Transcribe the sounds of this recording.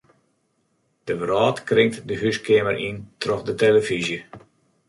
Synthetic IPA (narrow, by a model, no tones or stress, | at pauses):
d̥əvrɔːtkrɪŋ̚tdəɦyskeːmərʔintrɔxdəteləfizjə